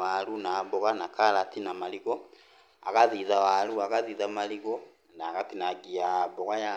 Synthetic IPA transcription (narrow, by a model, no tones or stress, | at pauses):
alunaβɔɣanakalatinamaliɣɔ | aɣaðiðawaluaɣaðiðamaliɣɔ | naɣatinaɡiabɔɣaja